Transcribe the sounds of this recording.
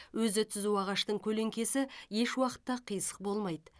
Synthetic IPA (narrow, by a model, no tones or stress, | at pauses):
wɵzɪt̪ʰʏzuɑʁɑʃt̪əɴkʲʰɵle̞ŋkʲe̞sɪje̞ʃwɑqə̥t̪ːɑqʰijsə̥q̚bo̞lˠmɑjd̪ə